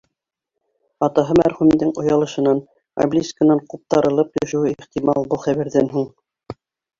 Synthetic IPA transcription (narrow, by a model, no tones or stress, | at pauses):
ɑt̪ɑɦɤmæɾχʉmd̪ɘŋŏjɑlˠɤ̆ʃɤ̆nɑn | ɐ̰blʲisʲkə̆nɑɴqup̚t̪ɑɾɤ̆lˠɤpjɵ̆ʃɘ̆wɘiχt̪imɑlˠbɤlˠχæβæɾðænɦuɴ